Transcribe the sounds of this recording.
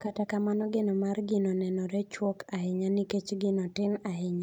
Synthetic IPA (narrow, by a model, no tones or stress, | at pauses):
katakamanɔɡɪnɔmarɡɪnɔnɛnɔɾɛt͡ʃwɔkaɦɪɲanɪket͡ʃɡɪnɔtɪnaɪɲa